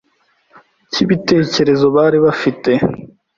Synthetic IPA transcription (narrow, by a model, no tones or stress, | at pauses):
cʰiβite̞ːce̞ɾe̞zo̞βaːɾiβafite̞